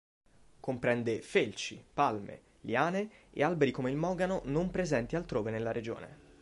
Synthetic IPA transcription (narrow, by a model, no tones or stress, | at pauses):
kompɾɛnd̪efelt͡ʃipalmḛ | liaːneḛalbeɾikomeilmɔːɡanonompɾezɛnt̪ialt̪ɾoːvenelːaɾed͡ʒo̰ːnḛ